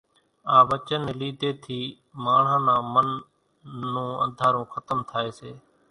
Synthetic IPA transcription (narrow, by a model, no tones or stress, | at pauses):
aːʋət͡ʃəneliːd̪eːt̪ʰiː | maːɳ̤ãːnãːmənː | ũːə̰̃nd̪ʱaːɾũːxʰət̪əmt̪ʰaːeːseː